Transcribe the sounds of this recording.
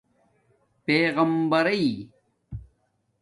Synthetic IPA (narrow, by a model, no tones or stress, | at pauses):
peːɣɐmbɐɾɐi